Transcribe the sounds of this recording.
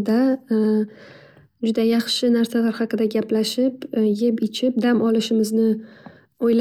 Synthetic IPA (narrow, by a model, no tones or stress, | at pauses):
d̪a | d͡ʒʊd̪ajɑχʃɪnaɾsalaɾhɑqʰɨd̪aɡʲaplaʃɪpjepɪt͡ʃʰɪp̚d̪amʔɒlɪʃɪmɪznɪ | ojl